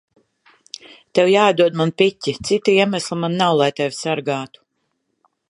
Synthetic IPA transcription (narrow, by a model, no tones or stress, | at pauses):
t̪ewjaːd̪uɔd̪manpʲitʲːit̪sit̪iiɛmæslˠimanːawlˠajt̪ɛvʲsaɾɡaːt̪u̥